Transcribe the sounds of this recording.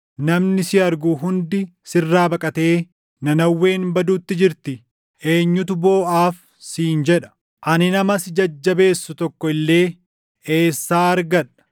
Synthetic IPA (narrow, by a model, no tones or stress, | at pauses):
nɐmnɪsɪɐɾɡuɦʊnd̪ɪsɪrːaːbɐkʼɐt̪e̞ː | nɐnɐwːe̞ːnbɐd̪uːt̪ːɪd͡ʒɪɾt̪ɪ | e̞ːɲːʊt̪̬ʊbo̞ːʔaːf | siːnd͡ʒɛᶑɐ̥ | ʔɐnɪnɐmɐsd͡ʒɐd͡ʒːɐbe̞ːsːʊt̪ɔkːɔɪlːe̞ː | eːsːaːɐɾɡɐᶑɐ̥